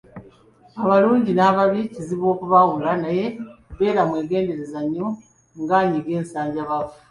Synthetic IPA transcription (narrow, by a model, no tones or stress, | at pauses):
aβaluːɲɟinaβaβiciziβo̞ːkuβawulanaje̞βe̞ːɾamwe̞ːɡe̞ːnde̞ɾe̞zaɲːo | ŋɡaɲiɡe̞ːnsaːɲɟaβavu̥